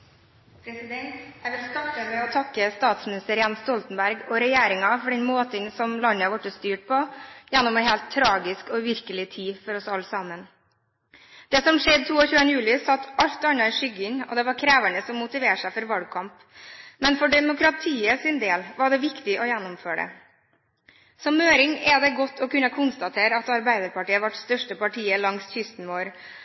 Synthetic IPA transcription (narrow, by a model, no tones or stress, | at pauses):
pʰɾɛsɪd̪ɛnt̪jæɪʋɪlst̪ɑʈːəmɛɔt̪ʰɑkːəst̪ɑːt̪smɪnɪst̪əɾjɛnst̪ɔlt̪n̩bæɾɡɔɾɛjeːɾɪŋɑfɔɖɛnmoːt̪əŋsɔmlɑnːəʋɑʈːəst̪yːʈ̚pʰɔjænːɔmɛɪheːlt̪ʰːɾɑːɡɪskɔʋɪɾkəlɪt̪ʰiːfɔɾɔsɑlːəsɑmən | d̪̥ɛsɔmʂɛd̪t̪ʰuːɔçʉːənəjʉːlɪsɑt̪ːɑʎt̪ɑnɑɪʂʏɡɪnɔ̰d̪ɛʋɑɾkʰɾæːʋæɳəsɔmːʊt̪ɪʋeːʂæɪfɔɾʋɑlɡ̚kʰɑmp | mɛnfɔɖɛmʊkɾɑt̪ʰiːəsɪnd̪eːlʋɑɖɛʋɪkt̪ɪʔɔjænːɔmføːɖə̰ | sɔmøːɾɪŋɛd̪ɛɡɔt̪ʰːɔkʉnːəkʰʊnst̪ɑt̪ʰeːɾəɑt̪ɑɾbæɪd̪əɾpɑʈiːəʋɑʈst̪œʂʈəpɑʈʰiːəlɑŋsçʏst̪nʋoːɾ